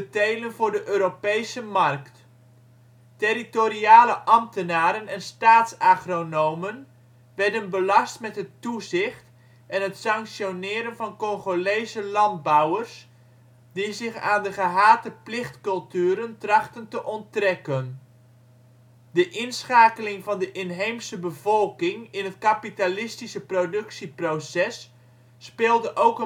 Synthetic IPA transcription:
bətejlənvʊːdəʔøːɾopejsəmɑrkt | tɪɾitoriaːləʔɑmtənaːɾənɛnstaːtsaːχronowmən | ʋɛrdənbəlɑstmɛtɦətuzɪχt | ɛnɦətsɑŋksjonɪːɾənvɑnkɔŋχolejzəlɑnd̚bawərs | dizɪχa̰ːndəχəɦaːtəplɪχtkɵlˠtyːɾəntrɑχtəntəʔɔntrɛkən | dəʔɪnsχaːkəlɪŋvɑndəʔɪnɦejmsəbəvɔlˠkɪŋɪnɦətkapitalɪstisəprodɵksiprosɛsː | pɪːlˠdəʔowkə

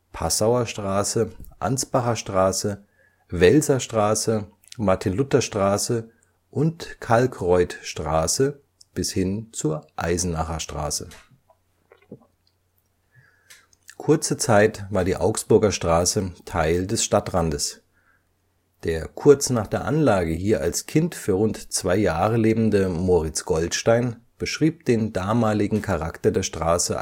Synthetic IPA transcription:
pʰasaʊɐʃtʁ̥aːsəʔa̰nt͡sb̥aχɐʃtʁ̥aːsə | vɛlzɐʃtʁ̥aːsə | maɐtʰɪnlʊtɐʃtʁ̥aːsə | ʔʊntkʰalkʁɔʏtʃtʁ̥aːsə | b̥ɪshɪnt͡suːɐʔa̰ɪzn̩naχɐʃtʁ̥a̰ːsə̰ | kʰʊɐt͡sət͡saɪtvaːɐdiːʔaʊksb̥ʊɐɡɐʃtʁ̥aːsətʰaɪldɛsʃtatʁandəs | d̥eːɐkʰʊɐt͡snaːχd̥eːɐʔanlaːɡəhiːɐʔa̰lskʰɪntfyːɐʁʊntt͡sv̥aɪjaːʁəleːbm̩dəmoːʁɪt͡sɡ̥ɔltʃtaɪnb̥əʃʁ̥iːp̚d̥eːndaːmaːlɪɡŋ̩kʰaʁaktɐdeːɐʃtʁ̥aːsə̰

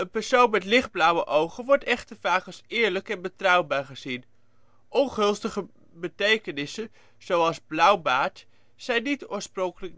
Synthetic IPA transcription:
ənpɛɹsownmɛtlɪχd̚blʌwəʔowχənʋɔɹtɛχtəvaːkəsɪːɹləkɛnbətrʌwbaːɹχəzin | ʔɔnχɵlˠstəχə | bətejkənɪsən | z̥owɑlˠzblʌwbaːt | sɛjnːitʊːɹsprɔŋkələk̚

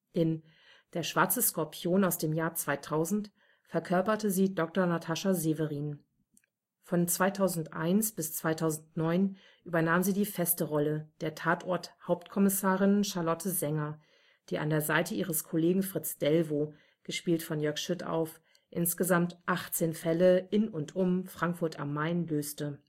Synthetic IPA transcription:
ʔɪn | d̥eːɐʃv̥aɐt͡səskɔɐpʰjoːnaʊsd̥eːmjaːɐt͡sv̥aɪtʰaʊzn̩t | fɛɐkʰœɐpɐtəziːdɔk̚tɐnatʰaʃazevəʁiːn | fɔnt͡sv̥aɪtʰaʊzn̩tʔa̰ɪnsb̥ɪst͡sv̥aɪtʰaʊzn̩tnɔʏn | ʔyːbɐnaːmziːdiːfɛstəʁɔləd̥eːɐtʰaːtʔɔɐthaʊp̚tkʰɔmɪsaːʁɪnʃaɐlɔtʰəzɛŋɐ | d̥iːʔa̰ndeːɐzaɪtəʔiːʁəskʰoleːɡŋ̩fʁ̥ɪt͡sd̥ɛlvoː | ɡ̥əʃpiːltfɔnjœɐkʃʏta̰ʊf | ʔɪnsɡ̥əzamtʔaχt͡seːnfɛləɪnʊntʔʊmfʁ̥aŋkfʊɐtʰa̰mːaɪnløːstə

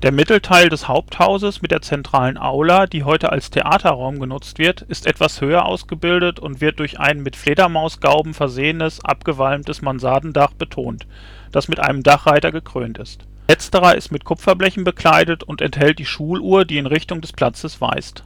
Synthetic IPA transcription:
d̥eːɐmɪtl̩tʰaɪldɛshaʊp̚thaʊzəsmɪt̚d̥eːɐt͡sɛntʁ̥aːlənʔa̰ʊladiːɦɔʏtəa̰lstʰeʔaːtʰɐʁaʊmɡənʊt͡stv̥ɪɐtɪstʔɛtv̥ashøːɐʔa̰ʊsɡ̥əbɪldətʊntv̥ɪɐt̚d̥ʊɐçʔa̰ɪnmɪtfleːdɐmaʊsɡ̥aʊbm̩fɛɐzeːənəsʔa̰pɡ̥əvalmtəsmanzaːdn̩daχb̥ətʰoːnt | d̥asmɪtʔa̰ɪnəmdaχʁ̥aɪtɐɡəkʁ̥ø̰ːntɪst | lɛt͡stəʁɐʔɪ̰stmɪtkʰʊpfɐblɛçn̩bəkl̥aɪdətʊntɛ̰nthɛlt̚d̥iːʃuːlʔuːɐdiːɪnʁɪçtʊŋdɛspʰl̥at͡səsv̥a̰ɪst

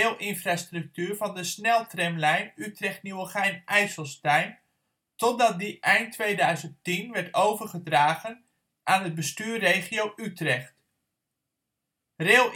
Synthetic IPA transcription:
lˠʔɪnfrastrɵk̚tyːɹvɑndəsnɛlˠtrɛmlɛjnytrɛχtnyəχɛjnʔɛjsəlˠstɛjn | tɔt̚dɑt̚diʔɛjntːʋejdœɥzənttinʋɛɹtowvərχədraːɣən | ʔaːnɦəd̚bəstyːrːejχiowytrɛχt | reːlˠ

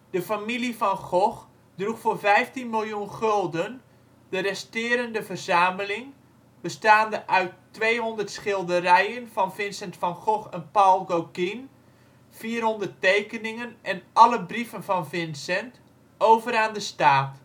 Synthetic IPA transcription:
d̥əfamilifɔnχɔx | druxfoːrvɛjftinmilˠjunχɵlˠdən | d̥ərɛstɪːɾəndəvərzaːməlɪŋ | bəstaːndəʔœɥtː | ʋejɦondərtsχɪlˠdərɛjənfɔnvɪnsɛntfɔnχɔxɛnpalˠɡowkin | fiːərɦondərtejkənɪŋənʔɛnʔɑləbrifənfɔnfɪnsɛnt | owvəɾaːndəstaːt

